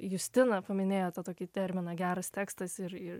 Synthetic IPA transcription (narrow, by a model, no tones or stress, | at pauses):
jʊsʲt̪ʲɪnɐpɐmʲɪnʲeːjoːt̪ɐt̪oːkʲɪt̪ʲɛɾʲmʲɪnɐɡʲæːɾɐst̪ʲeːkst̪ɐsɪɾɪ